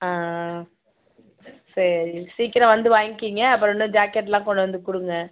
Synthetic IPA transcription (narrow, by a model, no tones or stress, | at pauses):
aː | sɐɾisiːkɪɾɐ̃ʋɐnd̪ɯʋaːjŋkiːŋɡɐɐpːɯɾɔnːɯ̃d͡ʒaːkɛʈːlãːkɔɳɖɐʋɐnd̪ɯkʊɽɯŋɡɐ